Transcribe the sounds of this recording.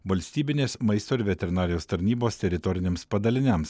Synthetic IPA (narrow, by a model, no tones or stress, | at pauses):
ʋɐlʲsʲt̪ʲiːbʲɪnʲeːsmɐɪst̪oːɪɾʋʲɛt̪ʲɛɾʲɪnɑːɾʲɪjoːst̪ɐɾʲnʲiːboːst̪ʲɛɾʲɪt̪ɔɾʲɪnʲeːmspɐd̪ɐlʲɪnʲɛms